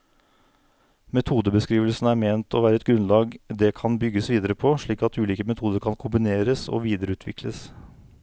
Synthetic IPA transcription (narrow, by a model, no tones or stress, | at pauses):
mɛt̪ʰuːd̪əbəskɾiːʋəlsnæːɾmeːnt̪ʰɔʋæːɾəɛt̪̚ɡɾʉnlɑːɡd̪ɛkʰɑnbʏɡːəsʋiːd̪əɾəpʰoʂɭiːkɑt̪ʉːliːkəmɛt̪ʰuːd̪əɾkʰɑnkʰʊmbɪneːɾəso̰ːʋiːd̪əɾəʉːt̪ʰʋɪkʰləs